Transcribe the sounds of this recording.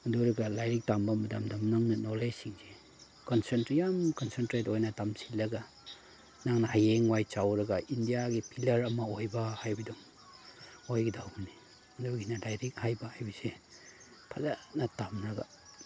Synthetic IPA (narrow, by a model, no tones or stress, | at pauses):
uduɾɐɡalajɾik̚tambamɐda̰mdamnaŋnɐnolesiŋze | kɔnsentɾijamkɔnsentɾetojnɐtamsilːɐɡa | naŋnɐhajeŋwajt͡ʃawɾɐɡaʔindijaɡipʰilɐɾɐmɐojbahajbidum | ojɡidawbni | nduɡinɐlajɾik̚hajbahajbize | pʰɐzanɐtamɾɐɡa̰